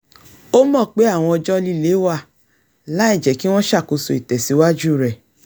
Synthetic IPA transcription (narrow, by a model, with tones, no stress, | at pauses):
o˦mɔ̃˦˨k͡pe˨˦a˦˨w̃ɔ̃˧ɔ˧d͡ʒɔ˦˧li˦˨le˨˦wa˦˨ | la˨˦ɛ˦˨d͡ʒɛ˨ki˦w̃ɔ̃˦ʃa˦˨ko˧so˧˨i˨tɛ˨si˨˧wa˦d͡ʒu˦˨ɾɛ˨